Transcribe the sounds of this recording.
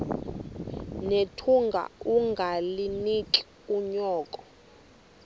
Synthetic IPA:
netʰuŋɡʱa̰uŋɡʱalinik̬ʼi̥ | uɲɔːkʼɔ

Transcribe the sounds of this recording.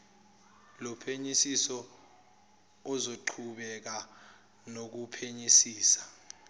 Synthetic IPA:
lɔpʰeɲisisɔ | ɔzoǃʰuɓɛk̬a | nok̬upʰeɲisiːsḁ

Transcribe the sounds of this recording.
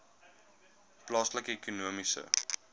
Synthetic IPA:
plɑːsləkekunuəmisə̰

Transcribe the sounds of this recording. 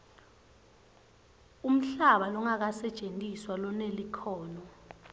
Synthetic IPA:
um̩ɬaɓalɔŋak̬asɛ̥t͡ʃʼentʼiswalɔnelikʰɔːnɔ

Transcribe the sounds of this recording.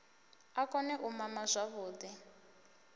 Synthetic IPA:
akɔnɛʔumamazʷaβuːd̪i

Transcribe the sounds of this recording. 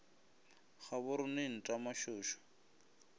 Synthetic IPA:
χabʊɾʊnɪn̩tʼamaʃʊːʃɔ̥

